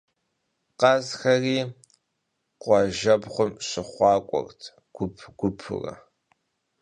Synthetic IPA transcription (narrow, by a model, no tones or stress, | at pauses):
qɐzxɐriː | qʷɑʒɐbχʷʊmɕɪχʷɑːkʷʼɔ̰rtʰ | ɡ̥ʷʊpʰɡ̥ʷʊpʰɨ̰rɐ̰